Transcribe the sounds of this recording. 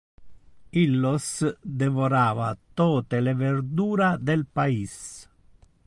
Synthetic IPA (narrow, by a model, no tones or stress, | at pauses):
ilːosd̪evoɾaːva̰t̪oːt̪eleveɾd̪uːɾad̪elpais